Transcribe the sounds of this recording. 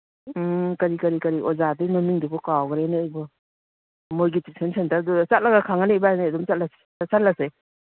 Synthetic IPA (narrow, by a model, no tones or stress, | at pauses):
kɐɾikɐɾikɐɾiʔɔzadinɔmiŋdubɔkawɡɾeneːjbɔ | mojɡitisʰensʰentadut͡ʃat̚laɡakʰaŋanebajnedumt͡ʃat̚lase̥ | sat̚lase